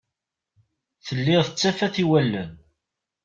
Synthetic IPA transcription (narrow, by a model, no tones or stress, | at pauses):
θəlːɪθət͡sːæfæθiwælːən